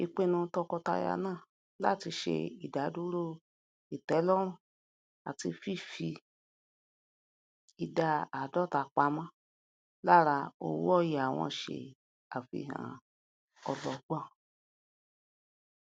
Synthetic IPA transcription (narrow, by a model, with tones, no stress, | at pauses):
i˨k͡pe˦nũ˧tɔ˧kɔ˧ta̰˧ja̰˧nãː˦˨ | la̰˦˨ti˧ʃḛ˧i˨da˨˦du˦ɾo˦˨ | i˨tɛ˨˦lɔ˦ɾ̃ũ˦˨ | a˨ti˧fi˦˨fi˧ | i˨da˧a˨dɔ˦˨ta˨k͡pa˨˦mã˦ | la˦˨ɾa˧o̰˦˨wṵ˦ɔ˦˨ja˨w̃ɔ̃˧ʃḛ˨ | a˨fḭ˧˨ɦã̰˨ | ɔ˧lɔ˧˨ɡ͡bɔ̃˦˨